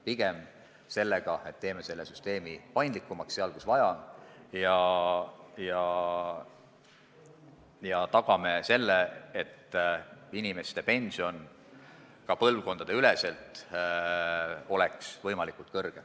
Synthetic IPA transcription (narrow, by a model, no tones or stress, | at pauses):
piɡ̥e̞m | se̞lːe̞ɡ̥ɑe̞t̪ːe̞ːme̞se̞lːesyst̪e̞ːmipɑjnd̪likːˑumɑksːeɑlkusvɑjɑjɑ | jɑ | jɑt̪ɑɡ̥ɑme̞se̞lːeet̪ː | inime̞st̪e̞pe̞nʲsio̞n | kɑpɤlvko̞nd̪̥ɑd̪e̞yle̞se̞lt̪ | o̞leksvɤ̞jmɑlikult̪̚kɤrɡ̥e